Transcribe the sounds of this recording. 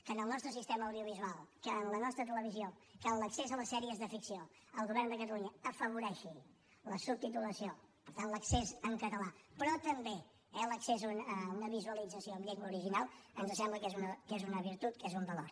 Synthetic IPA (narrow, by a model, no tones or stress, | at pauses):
kənəlˠnɔst̪ɾəsist̪eməəwðiuβ̞izualˠkənlənɔst̪ɾət̪ələβ̞izio | kənləksezələsɛɾiəzðəfiksio | əlˠɣuβɛrnd̪əkət̪̬əluɲəəfəβuɾɛʃi | ləsub̚t̪it̪uləsiopəɾt̪anləksezəŋkət̪əlapɾɔt̪əmbe | ɛləkseznəunəβizuəlid͡zəsioβbiekməuɾiʒinalˠənzəsɛmbləkezunəkezunəβ̞iɾt̪ut̪kezumbəloɾ